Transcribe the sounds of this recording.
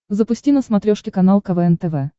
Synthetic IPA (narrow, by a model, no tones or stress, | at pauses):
zəpʊsʲtʲinəsmɐt̪ɾʲoʂkʲɪkɐnalˠkɐvɛɛnt̪ɛvɛ